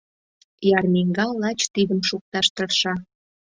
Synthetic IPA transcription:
jɑrmʲiŋɡɑlːɑt͡ɕt̪id̪əmʃuk̚t̪ɑʃt̪ərʃɑ

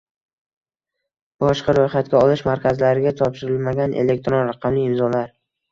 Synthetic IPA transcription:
bɒʃqɑɾojχat̪̚kʲaɒlɪʃmaɾkʲʰazlaɾɪɡʲat̪ʰɒpʃɪɾɪlmaɡʲanʔḛle̞k̚ʲt̪ɾonɾaqʰɑmlɪɪmzɒlaɾ

